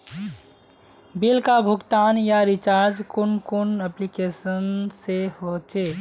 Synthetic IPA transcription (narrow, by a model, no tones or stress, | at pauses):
bɪlkabʱʊɡt̪aːnjaɾɪt͡ʃaːɾd͡ʒkʊnkʊnəplikeːsənsehot͡ʃeː